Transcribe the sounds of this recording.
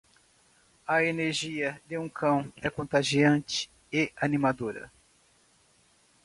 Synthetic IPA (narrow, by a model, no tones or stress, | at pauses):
ɐeneɾʒiɐd̪ɪũkʰɐ̃w̃ɛkõnt̪aʒiɐ̃nt͡ʃɪ̥ | ɪʔanimad̪oɾɐ̰